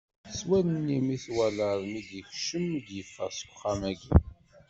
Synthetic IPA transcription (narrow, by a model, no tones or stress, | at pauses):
swænnːimiθwæləɾˤmid̪jəçʃəmd̪jəfːæsu̥χamæɡḭ